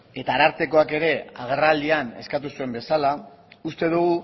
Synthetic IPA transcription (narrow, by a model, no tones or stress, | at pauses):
e̞t̪aːɾaɾt̪e̞ko̞ake̞ɾe̞a̰ɣ̞e̞rald̪iane̞̰skat̪usue̞mbe̞sala | ust̪e̞ðuɣu